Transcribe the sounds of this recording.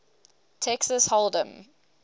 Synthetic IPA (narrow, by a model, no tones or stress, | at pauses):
tʰɛksəshɔlˠdə̃m